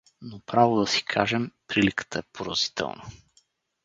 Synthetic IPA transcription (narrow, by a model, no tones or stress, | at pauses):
nopɾavod̪ɐsi̥kʰaʒɛmpɾilikə̥t̪əɛpoɾə̰z̥i̥t̪ɛ̰lˠnə̰